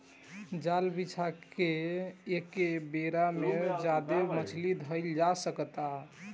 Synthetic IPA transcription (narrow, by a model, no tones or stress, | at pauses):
d͡ʒalbit͡ʃʰakeekebeɾamed͡ʒad̪emət͡ʃʰlid̪ʱəɪld͡ʒasəkət̪a